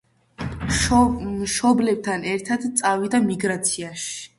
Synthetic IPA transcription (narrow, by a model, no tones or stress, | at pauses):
mʃɔblɛb̚t̪ʰanɛɾt̪ʰad̪t̪sʼavid̪amiɡɾat̪sʰiaʃi̥